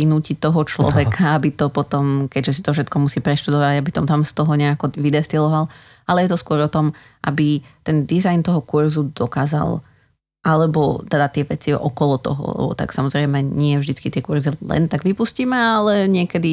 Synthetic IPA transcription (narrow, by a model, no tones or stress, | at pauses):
inuːcit̪ɔɦɔt͡ʃlɔ̰ʋɛkʰaabit̪ɔpɔt̪ɔmkɛɟʒɛsit̪ɔfʃɛt̪kɔmusiːpɾɛʃt̪ud̪ɔʋaɟabit̪ɔmt̪amst̪ɔɦɔɲɛakɔʋid̪ɛst̪ilɔʋal | alɛjɛt̪ɔskʊɔɾɔt̪ɔm | ʔa̰bit̪ɛnd̪izajnt̪ɔɦɔkuɾzud̪ɔkaːza̰lˠ | ʔalɛbɔt̪ɛd̪at̪ɪɛʋɛt͡siʔɔkɔlɔt̪ɔ̰ɦɔ̰lɛ̰bɔ̰t̪a̰ksamɔzɾɛɪmɛɲɪɛvʒd̪it͡skit̪ɪɛkuɾzilɛ̰nt̪aɡʋipusciːmɛalɛɲɪɛkɛd̪i